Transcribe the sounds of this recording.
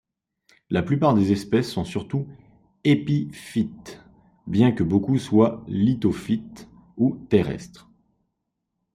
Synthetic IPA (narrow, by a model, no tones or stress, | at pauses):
laplypaʁd̪ezɛspɛsːɔ̃syʁt̪u | epifit̪ | bjɛ̃kəbokuswalit̪ofit̪ | ut̪eʁɛ̰st̪χ